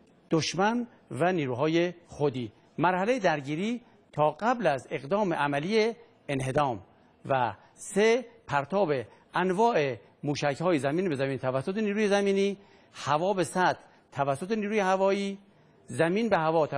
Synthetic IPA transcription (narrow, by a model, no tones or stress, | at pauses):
d̪̥oʃmæn | væniːɾuːɦɒːjexod̪iː | mæɾhæle̞jed̪æɾɟiːɾiː | t̪ʰɒːɢæblæzeɣd̪ɒːmeʔæmælije | enɦe̞d̪ɒːm | væ | sepʰæɾt̪ʰɒːbe | ʔænvɒːʔe̞ | muːʃæchɒːjezæmiːnbe̞zæmiːnt̪ʰævæsːot̪ʰeniːɾuːjezæmiːniː | hævɒːbesæd̪ | t̪ʰːævæsːot̪ʰeniːɾuːjehævɒːiː | zæmiːnbeɦævɒːt̪ʰ